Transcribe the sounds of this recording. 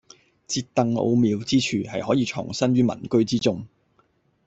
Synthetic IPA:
t͡siː˧t̚t̪ɐ˨ŋo̰˧wmiː˨˧wt͡siː˥t͡ʃʰyː˨˩hɐ˨jhɔː˨˥jiː˧t͡ʃʰʊ̰˨˩ŋsɐ˥nɥyː˥mɐ̰˨˩nkɵ˥ɥt͡siː˥t͡sʊ˥ŋ

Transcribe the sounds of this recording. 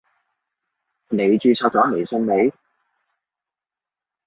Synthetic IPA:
ne˨˧jt͡ʃyː˧t͡sʰɔː˧k̚t͡sɔː˨˥ne˨˩jsɵ˧nme˨˧j

